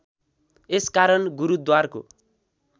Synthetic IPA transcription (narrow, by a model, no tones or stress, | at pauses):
eskaɾʌnɡuɾud̪warko̰